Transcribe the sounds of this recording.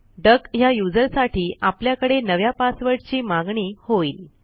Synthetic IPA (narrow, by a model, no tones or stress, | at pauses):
ɖəkɦjajud͡zəɾsaʈʰiːʔapljakəɽenəʋjapasʋəɽt͡ɕiːmaɡɳiːhoiːl